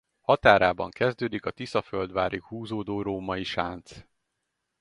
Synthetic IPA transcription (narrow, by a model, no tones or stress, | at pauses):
hɒt̪aːɾaːbɒŋkɛzd̪øːd̪ikɒt̪isɒføld̪ʋaːɾikhuːzoːd̪oːɾoːmɒiʃaːnt̪s